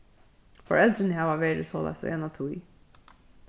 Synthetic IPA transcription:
fɔ̰ɹɛlt̪ɾɪnɪɦɛːʋaʋeːɾɪ̰sɔːla̰jsɔ̰ʔɛːnat̪ʰuj

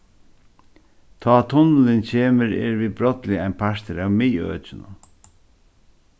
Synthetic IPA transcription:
t̪ʰɔːt̪ʰʊnlɪncʰeːməɾɛ̰ɹvibɾɔt̪lɪajnpʰaʂt̪əɾawmɪːœ̰ːt͡ʃɪnʊ̰

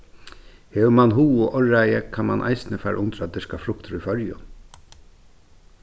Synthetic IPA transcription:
hɛʋmanɦuːʊʔɔɹajəkʰanma̰nʔa̰jsɪnəfaːɾʔʊnt̪ɾad̪ɪskafɾʊkt̪ɾifœɾjʊ̰n

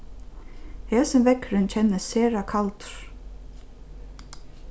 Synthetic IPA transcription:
hɛːsɪmvɛkɾɪnt͡ɕʰɛnːəseːɹakʰalt̪ʊ̥ɹ̥

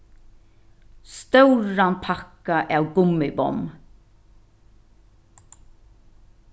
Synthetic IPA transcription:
st̪œwɹanpʰakːaʔawɡʊmːɪbɔ̰m

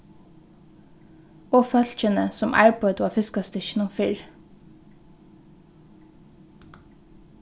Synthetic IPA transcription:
oːfœlc͡çənəsɔmʔæ̰ːɹpɔd̪ɑːfɪskɑst̪əʃnʊfɪɹ

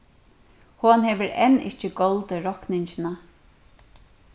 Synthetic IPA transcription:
hʊnhɛːʋəɾʔɛ̰nɪ̰ht͡ʃəɡɔlt̪əɾɔknɪɲt͡ʃɪna

